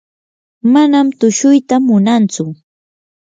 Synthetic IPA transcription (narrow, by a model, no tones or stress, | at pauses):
manamt̪ʊʃʊjt̪amʊnant͡sʊ